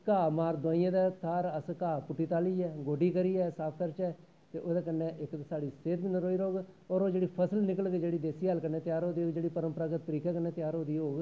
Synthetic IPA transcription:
kaːmaːɾd̪ãːɪ̃ːãːd̪ɛːt̪ʰaːɾəskaːpʊʈːiːt̪aːliːɛːɡoːɖiːkəɾiːɛːsaːp̚ʰk̪əɾt͡ʃɛː | t̪ḛːʔoːd̪eːkənːẽːʔɪksaːɽiːseːt̪bɪnɾoːiːɾoːɡɔːɾoːd͡ʒeːɽiːpʰəsəlnɪkəlɡeːd͡ʒeːɽiːd̪eːsiːalkənːẽːt̪ɪjaːɾoːd̪iːoːɡd͡ʒeːɽiːpəɾəmpɾaɡət̪ːəɾiːkɛːkənːẽːt̪ɪjaːɾoːd̪iːɦoːɡ

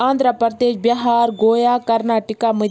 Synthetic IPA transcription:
ãːnd̪ɾapəɾd̪eːʃbjɐɦaːɾɡoːjaːkɐɾnaːʈikamɐ

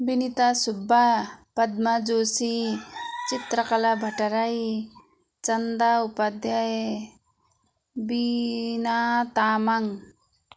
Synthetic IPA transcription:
binit̪asubʱːapɐd̪̚mad͡ʒoːsi | t͡ʃit̪ɾɐkɐlabʱɐʈɐɾaj | t͡ʃɐnd̪aupad̪jae | binat̪aːmaŋ

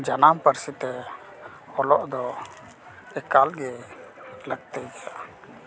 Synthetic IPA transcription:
d͡ʒanampəɾsit̪ɛ | ɔlɔʔd̪ɔ | ɛkalɡɛ | ləɡt̪ɛjkɛa

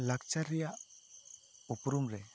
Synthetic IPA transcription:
lak̚t͡ʃaɾija | upɾumɾɛ

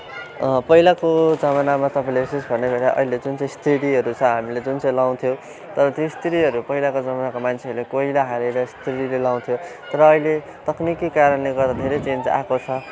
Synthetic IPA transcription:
pʌilakod͡zʌmanamat̪ʌpãĩlebisesbʱʌrnebʱeɾaʔʌ̰ɦiled͡zunt͡sʌ̃j̃st̪ʰriɽiɦʌɾut͡sʰʌɦamiled͡zunt͡sʌj̃law̃t̪ʰjo | t̪ʌɾʌt̪jost̪iɾiɦʌɾupʌɦilakod͡zʌmanakomant͡sʰeʌɾulekoɦilaɦaleɾʌst̪riɽilelaw̃t̪ʰjot̪ʌɾʌːɦile | t̪ʌknikikaɾʌnleɡʌrd̪ad̪ʱeɾet͡send͡za̰kot͡sʰʌ

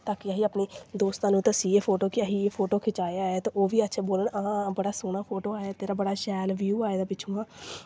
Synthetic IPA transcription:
t̪aːkɪəɦiːəpɳeːd̪oːst̪ãːnũːt̪əsiːeːpʰoːʈoːkɪəɦiːeːpʰoːʈoːkʰɪt͡ʃaːjaːɦɛːt̪eːʔoːʋiːətːʃʰeːboːləɳaãːbəɽaːsʊːɳ̃aːpʰoːʈoːaːjeːt̪eːɾaːbəɽaːʃɛːlʋjuːaːeːd̪aːpɪt͡ʃʰõːãː

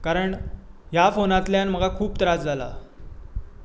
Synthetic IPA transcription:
kaɾəɳɦjafonat̪ljanm̤əɡakʰuːpt̪əɾad͡zd͡zʱala̰

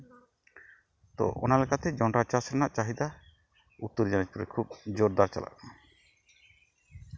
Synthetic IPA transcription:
t̪ɔ̰ʔɔ̰nalɛkʰat̪ɛd͡ʒɔɳɖɾat͡ʃasɾɛnaʔt͡ʃaɦid̪a | ut̪ːoɾd͡ʒanɛd͡ʒpuɾɛkʰub̚d͡ʒoɾd̪aɾt͡ʃa̰la̰k

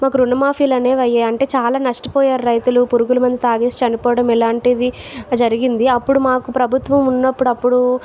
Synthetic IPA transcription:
maːk̬uɾunɐmaːpʰiːlɐne̞ːʋɐjːeːɐɳʈe̞ːt͡ʃaːlaːnɐʂʈi̥pɔːjaːɾuɾɐjt̪ulupuɾuɡulɐmɐnd̪it̪aːɡeːsi̥t͡ʃɐnipɔːʋɐɽɐmɛlaːɳʈid̪i | d͡ʒɐɾiɡind̪iɐpːuɽumaːkupɾɐbʱut̪ʋɐmunːɐpːuɽɐpːuɽu

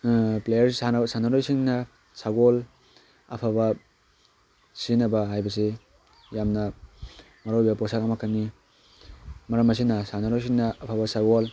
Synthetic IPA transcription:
plejɐɾsansanaɾojsiŋnɐ | saɡol | ɐ̰pʰabɐ | sinɐbɐɦajbɐs̬e | jamnɐ | mɐɾowbɐpɔsakɐmɐkʰani | mɐɾɐmɐs̬inɐsanaɾojs̬iŋnɐːpʰabɐsaɡol

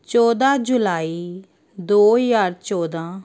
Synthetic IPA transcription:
t͡ʃɔːd̪aːd͡ʒʊlaːiː | d̪oːjaːɽt͡ʃɔːd̪ãː

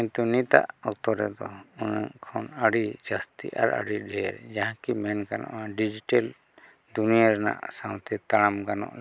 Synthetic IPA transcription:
ĩnt̪unit̪a̰ʔɔk̚t̪ɔɾɛd̪ɔunaŋkʰanaɽid͡ʒast̪ḭʔa̰ɾa̰ɽiɖʱɛɾd͡ʒaɦãkimɛnkanɔ̰ʔaɖid͡ʒiʈal | d̪uniaɾɛna̰ʔsãw̃t̪ɛt̪aɽamɡanɔ̰ʔ

